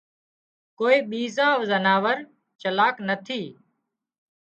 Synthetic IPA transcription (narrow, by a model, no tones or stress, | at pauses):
koːiːɓiːzãːʋzənaːʋəɾ | t͡ʃəlaːknət̪ʰiː